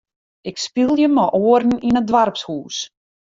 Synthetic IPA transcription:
ɪkspilˠjəməʔoərn̩inədʋarpshuːs

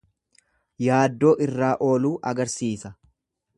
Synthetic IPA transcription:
jaːd̪ːo̞ːʔɪrːaːʔo̞ːluːʔɐɡɐɾsiːsɐ

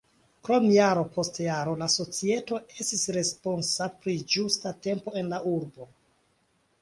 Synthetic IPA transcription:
kɾo̞mjaɾo̞po̞stjaɾo̞laso̞t͡sie̞to̞e̞stisɾe̞sponsapɾid͡ʒustate̞mpo̞e̞nlaʔuɾbo̞

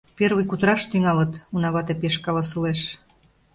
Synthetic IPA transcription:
perβujkut̪əɾɑʃt̪yŋɑlə̆t̪unɑβɑt̪epeʃkɑlɑsə̆leʃ

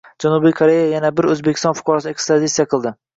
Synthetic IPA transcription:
d͡ʒanubijkʰoɾe̞jajanabɪɾɵzbekʲʰɪst̪ɒnfʊ̥qʰɒɾɒsɪekst̪ɾad̪it̪sijaqʰɨlˠd̪ɪ

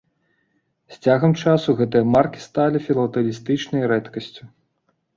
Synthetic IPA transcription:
sʲt͡sʲaɣɐmt͡ʂasuɣɛt̪ɨjɐmarkʲi̥st̪alʲifʲilˠɐt̪ɐlʲist̪ɨt͡ʂnɐjɾɛt̪kɐsʲt͡sʲu

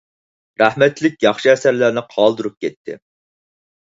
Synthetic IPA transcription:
ɾæhmɛt̪lɪk̚ʲjɑχʃiɛsæɾlæɾnɪqʰɑlˠd̪ɨɾup̚kʲʰɛt̪ʰːɪ̰

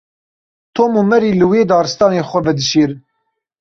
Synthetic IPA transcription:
t̪ʰoːmuːmɛɾiːlɨweːd̪ɑːɾɨst̪ɑːneːxʷɛvɛd̪ɨʃeːɾ

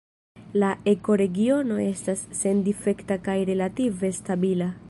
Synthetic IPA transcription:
lae̞ko̞ɾe̞ɡio̞no̞e̞stasːe̞ndife̞ktakajɾe̞lative̞stabila

